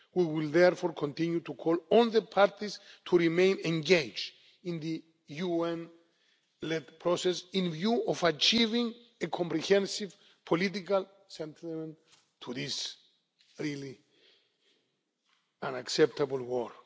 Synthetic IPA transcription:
wiwilðɛɾfɔɹkʰɔ̃nt̪ĩnjut̪ukʰɔlɔ̃nðəpʰaɾt̪ist̪ʰuɹimẽj̃nẽŋɡed͡ʒ | ĩnðɨ | juɛ̃n | lɛd̪pʰɾɔsɛsĩnvjuɔvat͡ʃivĩŋ | ekʰɔ̃mpɾihɛ̃nsiv | pʰolit̪̬ikal | sɛ̃nt̪ʰimẽn | t̪ʰuðis | ɹili | ãnaksɛp̚t̪ablwɔl

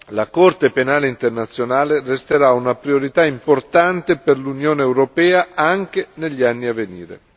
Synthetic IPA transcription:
lakɔrt̪epenaːleint̪ernat̪sːjonaːlerest̪eɾaunapɾioɾit̪aimport̪ant̪eperlunjoːneːwɾopɛːaaŋk̟eneʎːianːiavːenḭːɾḛ

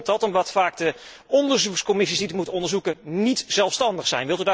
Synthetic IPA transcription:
tɑtɔmdɑtfaːk̚də | ɔndəɹzukskɔmɪsisditəmutənɔndəɹzukənitz̥ɛlˠfstɑndəχsɛ̰jnʋɪlˠtyda

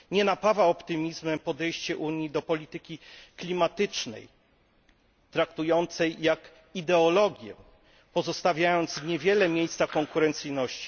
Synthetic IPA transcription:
ɲɛnapavaɔpt̪ɘmʲizmɛmpɔd̪ɛjɕt͡ɕɛʔuɲjid̪ɔpɔlʲit̪ɘkʲiklʲimat̪ɘt͡ʂnɛ̰j | t̪ɾakt̪ujɔnt̪sɛjːak | id̪ɛɔlɔɡʲjɛ̰ | pɔzɔst̪avʲjajɔnt̪sɲevʲjɛlɛmʲjejst̪sakɔŋkuɾɛnt̪sɘjnɔɕt͡ɕi̥

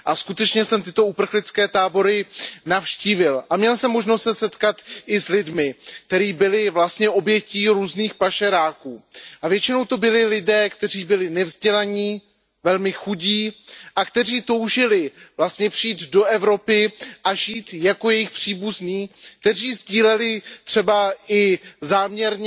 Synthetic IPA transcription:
ʔaskut̪ɛt͡ʃɲɛsɛmt̪ɪt̪o̞upr̩xlɪt͡skɛːt̪aːbo̞ɾɪnafʃciːvɪlʔamɲɛlsɛmːo̞ʒnost̪sɛsɛt̪kat̪ʔɪslɪdmɪk̚t̪ɛɾiːbɪlɪvlast̪ɲɛʔo̞bjɛciːɾuːzniːxpaʃɛɾaːkuːʔavjɛt͡ʃɪno̞wt̪o̞bɪlɪlɪdɛːkt̪ɛr̝iːbɪlɪnɛvzɟɛlaɲiː | vɛlmɪxuɟiːʔakt̪ɛriːt̪o̞wʒɪlɪvlast̪ɲɛpr̥iiːt̪do̞ʔɛvɾo̞pɪʔaʒiːt̪jako̞jɛjɪxpr̥iːbuzniːk̚t̪ɛriːzɟiːlɛlɪt̪r̥ɛbaʔɪzaːmɲɛɾɲ

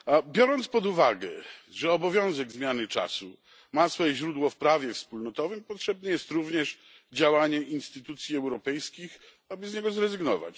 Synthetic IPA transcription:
bʲjɔɾɔnt̪spɔd̪uvaɡɛ̰ʐɛɔbɔvʲjɔ̃w̃zɛɡzmʲjanɘt͡ʂa̰sṵ | masfɔjɛʑɾud̪wɔfpɾavʲjɛfspulnɔt̪ɔvɘmpɔtʂɛb̚nɛjɛst̪ɾuvɲɛʂ | d͡ʑawaɲɛʔinst̪ɘt̪ut̪sʲjiɛwɾɔpɛjskʲix | abɘzɲɛɡɔzɾɛzɘɡnɔva̰t͡ɕ

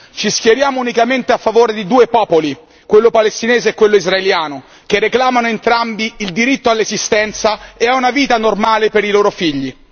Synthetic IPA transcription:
t͡ʃiskjeɾjaːmounikament̪eafːavoːɾed̪id̪uːepɔːpoli | kwelːopalest̪ineːzeːkːwelːoizraeljaːno | kerːeklaːmanoent̪ɾambiild̪iɾit̪ːoalːezist̪ɛnt̪saeaunaviːt̪anormaːlepeɾiloːɾofiʎːi

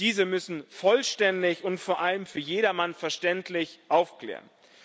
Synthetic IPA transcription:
d̥iːzəmʏsn̩fɔlʃtɛndɪçʊntfoːɐʔaləmfyːɐjeːɾɐmanfɛɐʃtɛntlɪçʔaʊfkl̥ɛ̰ːʁən

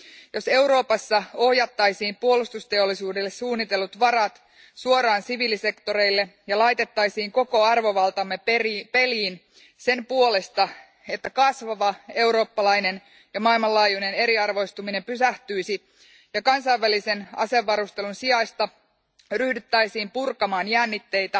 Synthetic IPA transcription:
jo̞se̞wɾo̞ːpɑsːɑo̞hjɑt̪ːɑjsiːmpuolust̪ust̪e̞olːisuːdelːe̞ssuːnːit̪e̞lːut̪ʋɑɾɑt̪ | suo̞ɾɑːnsiʋiːlise̞kt̪oɾe̞ijlːe̞jɑlɑjt̪e̞t̪ːɑjsiːŋko̞ko̞ɑrʋo̞ʋɑlt̪ɑmːerpe̞liːn | se̞mpuole̞st̪ɑ | e̞t̪ːækɑsʋɑʋɑe̞uɾo̞ːpːɑlɑjne̞n | jɑmɑilmɑlɑːjune̞ne̞ɾiɑrʋo̞ist̪umine̞mpysæht̪yjsi | jɑkɑnsɑjʋːælise̞nɑ̰se̞ʋːɑɾust̪e̞lunsiɑjst̪ɑ | ryhdyt̪ːæjsiːmpurkɑmɑːnjænːit̪ːe̞jt̪æ

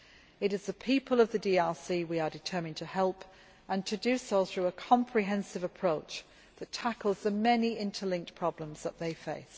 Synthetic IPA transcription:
ɪɾɪzðəpʰiˑpʰəlˠəvðədiːɛlˠsiwiədɪtʰɜːmɪ̃ŋtʰəhɛlˠp | ʔə̃ntʰədʉsoʊθɹʉəkʰɒ̃mpʰɹ̥ɪɦɛ̃nsɪvəpʰɹ̥oʊt͡ʃ | ðətʰakəlˠzðəmɛniɪ̃ntʰəlɪ̃ŋk̚tpʰɹ̥ɒblə̃mz̥ðəʔðeɪfeɪs

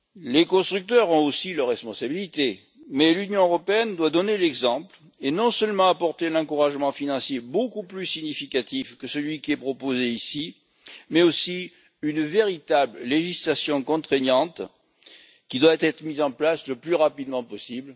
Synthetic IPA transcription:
lekɔ̃st̪χyk̚t̪œʁɔ̃osilœʁːɛspɔ̃sabilit̪e | mɛlynjɔ̃øʁɔpeɛnd̪wad̪ɔnelɛɡzɑ̃pl | enɔ̃sœlmɑ̃apɔʁt̪ẽnɑ̃kuʁaʒmɑ̃finɑ̃sjebokuplysiɲifikat̪ifkəsəlɥikʲiɛpχɔpozeisi | mɛosi | ynveʁit̪ablleʒislasjɔ̃kɔ̃t̪χeɲjɑ̃t̪ | kʲid̪wat̪ɛt̪χəmizɑ̃plasləplyʁapid̪əmɑ̃pɔsibl

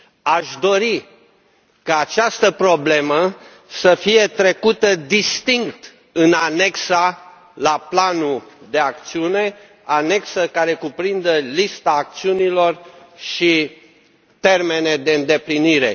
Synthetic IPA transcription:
aʃd̪o̞ɾi | kaːt͡ʃast̪əpɾo̞ble̞mə | səfije̞t̪ɾe̞kut̪əd̪ist̪iŋk̚t̪ | ɨnane̞ksa | laplanud̪e̞ak̚t̪siune̞ | ane̞ksəkaɾe̞kupɾind̪əlist̪aːk̚t̪siunilo̞r | ʃi | t̪e̞rme̞ne̞d̪e̞ɨnd̪e̞pliniɾe̞̰

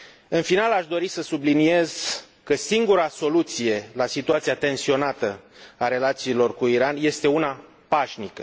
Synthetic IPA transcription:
ɨnfinalaʃd̪o̞ɾisəsublinie̞z̥ | kəsiŋɡuɾaso̞lut̪sije̞lasit̪uat̪siat̪e̞nsio̞nat̪əaɾe̞lat̪siːlo̞rkuiɾanje̞st̪e̞una | paʃnikə

